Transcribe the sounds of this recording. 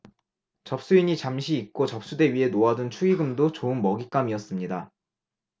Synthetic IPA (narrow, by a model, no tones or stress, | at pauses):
t͡ɕʌp̚s͈uiɲit͡ɕamɕʰiːk̚k͈ot͡ɕʌp̚s͈ude̞ɥiɦe̞noadɯnt͡ɕʰuiɡɯmdot͡ɕoɯnmʌɡik͈amiʌs͈ɯmɲida